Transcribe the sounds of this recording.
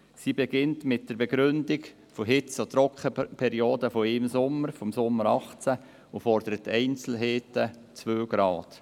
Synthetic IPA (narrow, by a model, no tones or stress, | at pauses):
siːbeɡɪntmɪt̚d̥əɾbeɡɾʏndɪɡ | foɦɪt͡sot̪ɾɔkχəpʰɛɾioːdəfoɪmsʊmːəɾfɔmsʊmːəɾɑχt͡sæ | ufɔrd̥̪əɾətɛɪnt͡sl̩ɦeːtə | t͡sʋøːɡ̥ɾɑːt